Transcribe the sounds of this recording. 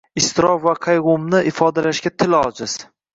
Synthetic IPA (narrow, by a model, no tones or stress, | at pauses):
ɪst̪ɪɾɒfvaqʰɑjʁʊmnɪʔɪfɒd̪alaʃɡʲat̪ʰɪlɒd͡ʒɪz̥